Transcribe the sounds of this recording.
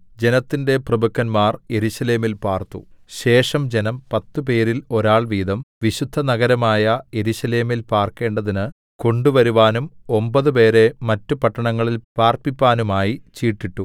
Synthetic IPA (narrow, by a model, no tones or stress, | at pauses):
d͡ʑe̞nɐt̪ːinde̞prɐbɐkːɐnmaːrje̞ɾuɕɐle̞ːmilpaːrt̪ṵɕe̞ːʂɐmd͡ʑe̞nɐmpɐt̪ːupe̞ːɾilo̞ɾaːɭʋiːd̪ɐmʋiɕud̪ʱːɐnɐɣɐɾɐmaːjɐje̞ɾuɕɐle̞ːmilpaːrke̞ːɳɖɐðinɨ | ko̞ɳɖuʋɐɾuʋaːnumo̞mbɐðupe̞ːɾe̞mɐtːupɐʈːɐɳɐŋːɐɭilpaːrpipːaːnumaːjit͡ɕiːʈːiʈːu